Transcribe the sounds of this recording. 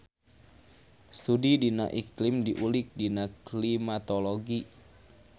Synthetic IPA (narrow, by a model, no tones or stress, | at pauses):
sudidina̰ʔiklɪmdiʔulɪk̚dinaklimat̪oloɡi